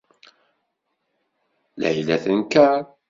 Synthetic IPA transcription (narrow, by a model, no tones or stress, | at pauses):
lʕilæθənkæɾ